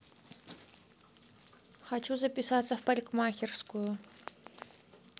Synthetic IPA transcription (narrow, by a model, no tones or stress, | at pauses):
χat͡ʃʰuzɐpisaːt͡sɐfpɐlʲkmaːxʲirsku